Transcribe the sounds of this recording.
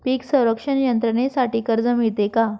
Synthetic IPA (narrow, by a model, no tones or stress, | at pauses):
piːksə̃wɾəkʂəɳjənt̪ɾənesaʈikəɾd͡zəmit̪eka